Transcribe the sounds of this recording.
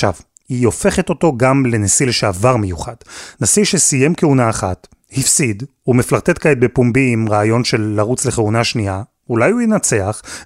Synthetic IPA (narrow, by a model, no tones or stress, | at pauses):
ʃa̰v | hio̞feχet̪o̞to̞ɡamle̞nesilʃeavaʁmejuχad̥nasiʃesijemkeunaːχat | hifsid̪umeflaʁt̪etkaet̪̚be̞pumbiːmʁaːjo̞nʃe̞lːaʁut͡sle̞χeunaʃnia | ulajujenat͡se̞aχ